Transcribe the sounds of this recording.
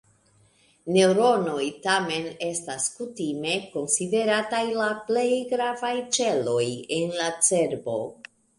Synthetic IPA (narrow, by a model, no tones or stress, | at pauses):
ne̞wɾo̞no̞jtame̞ne̞staskutime̞ko̞nside̞ɾatajlaple̞jɡɾavajt͡ʃe̞lo̞jenlat͡se̞ɾbo̞̰